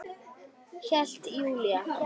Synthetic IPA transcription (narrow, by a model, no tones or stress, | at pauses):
çaɬt̪ʰjuːlja